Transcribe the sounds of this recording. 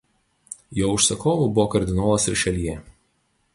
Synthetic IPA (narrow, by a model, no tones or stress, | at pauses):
joːʊʃsɐkoːʋubʊʋoːkɐɾʲd̪ʲɪnoːlˠɐsɪɾʃʲɛlʲiɛ